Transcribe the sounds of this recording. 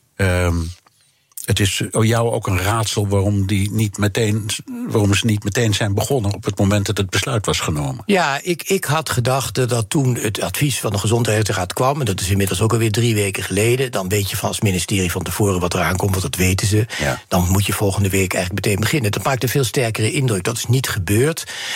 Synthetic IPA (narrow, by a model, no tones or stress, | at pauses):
ətɪsjɑwo̰wkənraːtsəlˠʋaːrɔmdinitmətejnʋaːrɔmzənitmətejnzɛjnbəχɔnənɔpətmowmɛntdɑtəd̚bəslœɥtʋɑsχənowmənjaɪkɪkɦɑtχədɑχtdɑtːunətatfisfɑndəχəzɔnthɛəraːtkʋɑmɛndɑtɪs̬ɪnmɪdəl̩ˠsowkɑlˠʋɪːɹdriʋeːkəχəlejdədɑnʋeːtjəvɑnɑ̰lˠsminɪstɪːrivɑntəv̥oːrəʋɑtəraːnkɔmtʋɑntɑtʋejtənzəd̥ɑnmutjəv̥ɔlˠχəndəʋeːkɛjxələk̚mətejnbəχɪnəndɑtmaːk̚tənvɪːlˠstɛɹkərəʔɪndrɵk̚dɑtɪ̥snitχəbøːɹt